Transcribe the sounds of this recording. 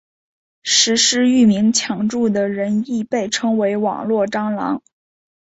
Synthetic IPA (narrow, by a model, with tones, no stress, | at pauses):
ʂɻ̩˧˥ʂɻ̩˥y˥˩mi˧˥ŋt͡ɕʰjɑ˧˥ŋʈ͡ʂu˥˩d̪ə˩ɻə˧˥ni˥˧pe˥˩ɪʈ͡ʂʰɤ˥ŋwe˧˥ɪwɑ̰˨˩ŋlwɔ˥˩ʈ͡ʂɑ˥ŋlɑ̰˧˥ŋ